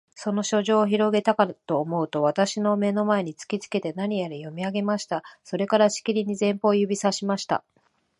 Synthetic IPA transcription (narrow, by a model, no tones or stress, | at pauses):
so̞no̞ɕo̞ʑo̞ːçiɾo̞ɡe̞t̪akat̪o̞ːmo̞ɯ̟t̪o̞β̞at̪aɕino̞me̞no̞mae̞ɲ̟it͡sɨ̥kʲit͡sɨ̥ke̞t̪e̞naɲ̟ijaɾijomʲiaɡe̞maɕi̥t̪aso̞ɾe̞kaɾaɕi̥kʲiɾʲiɲ̟izẽ̞mpo̞ːjɯ̟bʲisaɕimaɕi̥t̪a̰